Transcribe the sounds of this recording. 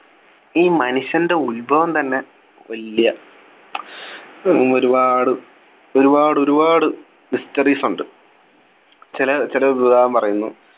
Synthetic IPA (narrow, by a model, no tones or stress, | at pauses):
iːmɐnuɕjɐnde̞ulbʱɐʋɐmt̪ɐnːe̞ | ʋɐlijɐ | oɾubaːɽɨ | o̞ɾubaːɽɨoɾubaːɽɨ | mistɐriːsuɳɖɨ | t͡ɕilɐt͡ɕilɐbudʱaːɐmpɐrɐjunːu